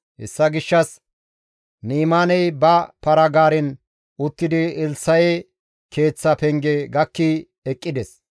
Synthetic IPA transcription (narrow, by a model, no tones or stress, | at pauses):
hɛ̰sːɐɡɪʃːɐs | niːmaːnɛjbɐpɐɾɐɡaːɾɪn | ʊt̪ːɪd̪ɪɪlsɐjɛ | kʰe̞ːt͡sːɐpɛŋɡɛɡɐkːi | ɛkʼːɪd̪ɛs